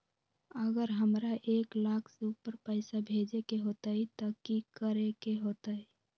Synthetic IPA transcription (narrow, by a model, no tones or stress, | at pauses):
əɡəɾɦəmɾaʔeːklakʰseupəɾpəɪsabʱed͡ʒekeɦoːt̪aɦit̪ɔkikəɾekeɦot̪ai